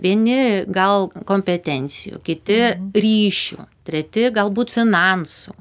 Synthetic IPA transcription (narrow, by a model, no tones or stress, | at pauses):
ʋʲiɛnʲɪɡɐlˠkoːmʲpʲɛt̪ʲɛnʲt̪sʲɪjṵːkʲɪt̪ʲɪɾʲiːʃʲṵːt̪ʲɾʲɛt̪ʲɪɡɐlˠbuːt̪fʲɪnɐnsuː